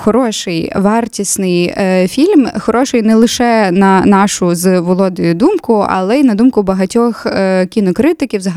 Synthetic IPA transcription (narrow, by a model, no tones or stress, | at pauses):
xɔɾɔʃɪjʋɑrtʲisʲnɪjfʲilʲmxɔɾɔʃɪjnɛlˠɪʃɛnɐnɑʃʊzʋɔlˠɔd̪ɪjʊd̪umkʊɐ̰lˠɛinɐd̪umkʊbɐɦɐtʲɔxkʲinɔkɾɪt̪ɪkʲiwzɦ